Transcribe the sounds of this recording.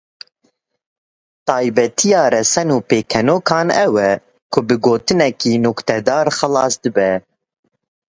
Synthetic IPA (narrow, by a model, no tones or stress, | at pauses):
t̪ɑːjbɛt̪ʰijɑːɾɛsɛnuːpeːkʰɛnoːkʰɑːnɛwɛ | kʰʊbɨɡoːt̪ɨnɛkiːnɔkt̪ɛd̪ɑːɾxɨlɑːsd̪ɨbɛ